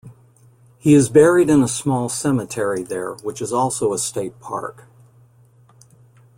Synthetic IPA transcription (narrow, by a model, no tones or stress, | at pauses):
hiɨzbɛɹiɾɨ̃nəsmɔlˠsɛmɨtʰɛɹiðə̰˞wət͡ʃɨzɔlˠsoʊəsteɪt̚pʰɑ̰ɹk